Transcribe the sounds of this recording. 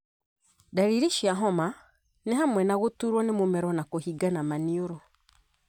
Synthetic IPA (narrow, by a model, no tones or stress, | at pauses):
daɾiɾiʃiaɦɔma | neɦamwɛnaɣutuɾwɔnemumɛɾɔnakohiɡanamanioɾɔ